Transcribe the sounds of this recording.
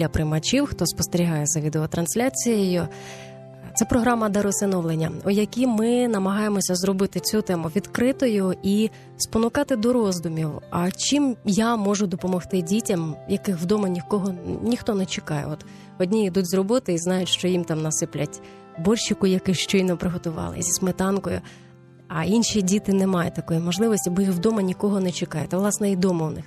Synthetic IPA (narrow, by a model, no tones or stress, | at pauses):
lʲɐpɾɪmɐt͡ʃʲiwxt̪ɔspɔst̪eɾʲiɦɑjɛzɐʋʲid̪eɔt̪ɾɐnsʲlʲat͡sʲijejʊ | t̪sɛpɾɔɦɾɑmɐd̪ɐɾɔsɪnɔʋlˠenʲːɐ̰ɔjɐkʲimɪnɐmɐɦɑjemɔsʲɐzɾɔbɪt̪ɪt͡sʲut̪ɛmʊʋʲid̪kɾɪt̪ɔjʊi | spɔnʊkɑt̪ɪd̪ɔɾɔzd̪ʊmʲiwɐt͡ʃimjamɔʒʊd̪ɔpɔmɔxt̪ɪdʲitʲɐmjɐkɪxwd̪ɔmɐnʲikɔɦɔnʲixt̪ɔnɛt͡ʃekɑjɛ̰ɔt̪ | ɔdʲnʲiid̪utʲzɾrɔbɔt̪ɪiznɑjʊtʲʃt͡ʃɔjimt̪ɑmnɐsɪplʲɐtʲ | bɔlʲʃɪkʊjɐkɪʃt͡ʃɔjnɔpɾɪɦɔt̪ʊʋɑ̰lˠɪ̰zʲismet̪ɑnkɔjʊ̰ | ɐinʃidʲit̪ɪnɛmɑjɛt̪ɐkɔjimɔʒlˠɪʋɔsʲtʲibɔjixwd̪ɔmɐnʲikɔɦɔnɛt͡ʃekɑjɛ̰t̪ɛʋlˠɑsnɛid̪ɔmɔwnɪ̰x